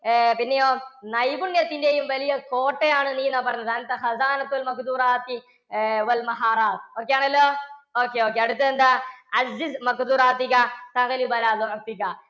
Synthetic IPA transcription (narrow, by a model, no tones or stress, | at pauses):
pinːejoːnɐjbuɳjɐt̪ːindejumʋɐlijɐkoːʈːejaːɳɨniːnaːpɐɾɐɲːɐðɐnɐt̪ːɐxɐzaːnɐkːɐlmɐkd̪uːɾaːt̪i | ʋɐlmɐɦaːɾaːt̪̚oːkːejaːɳɐlːoːoːkːeoːkːeɐɽut̪ːɐðend̪aɐzːismɐkd̪uːɾaːt̪ːikasɐɣɐlibɐlaːd̪ɐɐk̚t̪ikːa